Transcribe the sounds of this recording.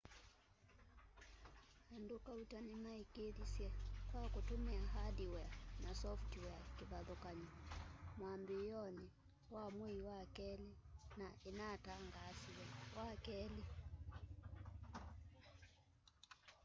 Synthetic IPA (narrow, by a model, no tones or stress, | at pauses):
handukautanimaikeðisjɛkwakutumɛaɦadiwɛanasɔftwɛakiβaðɔkaɲɔmwambijɔni | wamwiiwakɛlinainataŋɡaːsiwɛwʔakɛli